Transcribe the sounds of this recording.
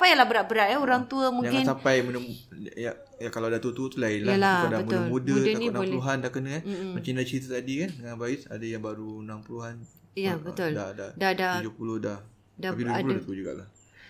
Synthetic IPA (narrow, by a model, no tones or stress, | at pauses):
sapajalahbəɾaʔ̚bəɾaʔ̪aoɾaŋt̪uəmuŋjakɪnsapajmudə | a | jakalawdat̪ut̪ut̪ulaɪnlaalahadabəmʊlmudəudənĩbnaolɛluɦandakənə̃mat͡ʃandat͡ʃəɾit̪ət̪adikandəŋanbaɪsa̰dajaŋbaɾunampəluɦan | jabət̪ʊldadadadaud͡ʒʊpulʊhdah | daiud͡ʒpudat̪ud͡ʒuɡa̰ʔlah